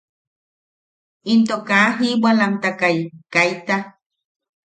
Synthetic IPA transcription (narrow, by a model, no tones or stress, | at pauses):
int̪okaɦibalant̪akajkajt̪a